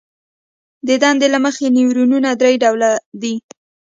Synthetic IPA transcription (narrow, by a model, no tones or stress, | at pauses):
d̪əd̪ɑnd̪elaməxeniwɾununad̪ɾajɖawlad̪i